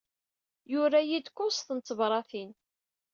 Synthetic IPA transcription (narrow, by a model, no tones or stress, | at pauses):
jʊɾæjid̪kʊsθənt͡s̪ːəvɾˤɑθin